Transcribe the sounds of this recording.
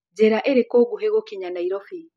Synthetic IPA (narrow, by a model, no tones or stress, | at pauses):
d͡ʒɛɾaʔeɾekoːɡuɦeɣokiɲanaiɾɔfi